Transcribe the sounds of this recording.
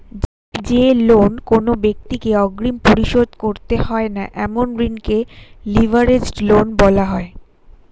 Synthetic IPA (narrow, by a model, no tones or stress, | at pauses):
d͡ʑelonkonobek̚t̪ikeɔɡɾimpoɾiʃod̪koɾt̪ehɔena̰ʔɛmonɾinkelibʱaɾed͡ʑlonbɔlaɦɔe